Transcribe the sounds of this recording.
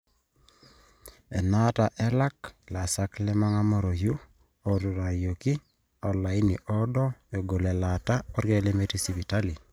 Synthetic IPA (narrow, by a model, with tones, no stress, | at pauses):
ɛ˨na˦ta˨ʔɛ˦la˦kla˨sa˦klɛ˦ma˦ŋa˦mɔ˦ɾo˨ju˦ | o˦tu˨ɾa˨jo˨ki˦ | ɔ˨la˨i˦ni˨ʔɔ˦dɔ˦e˨ɡo˨lɛ˨la˨ta˦ɔ˦ɾje˦le˦me˦ti˦si˨βi˨ta˦li˨